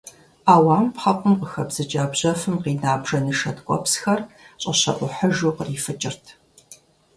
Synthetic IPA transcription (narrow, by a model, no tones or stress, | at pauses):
aːwaːmpħɐqʷʊmqəxɐbz̥ɨt͡ʃʼaːbʑɐfɨmqiːnaːbʒɐnɨʂɐtkʷʼɔ̰psxɐrɕʼɐɕɐ̰ʔʷʊħəʒuːqəriːfɨt͡ʃʼɪrtʰ